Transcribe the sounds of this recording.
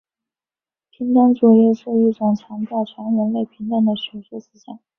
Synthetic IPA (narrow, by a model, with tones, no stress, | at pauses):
pʰi˧˥nʈ͡ʂ̪a˥ŋʈ͡ʂu˨˩jɛ˥˧ʂɻ̩˥˧i˥˩ʈ͡ʂʊ˨˩ŋt͡ɕʰjɑ˧˥ŋp̪ʰjɑ˥˩ʈ͡ʂʰa˧˥nɻə˧˥nle˥˩ɪpʰi˧˥ŋt̪a˥˩nd̪ə˩ɕɥɛ˧˥˩ʂɛ˥˩ʂ̩˥ɕjɑ̰˨˩˦ŋ